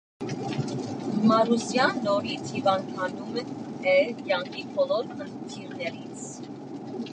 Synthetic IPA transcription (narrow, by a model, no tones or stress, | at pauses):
mɑɾusjɑnːɔɾit͡sʰhivɑnkʰɑnumɛnt̪ʰɛkjɑŋkʰipʰɔlɔɾχənt̪ʰiɾnɛɾit͡sʰ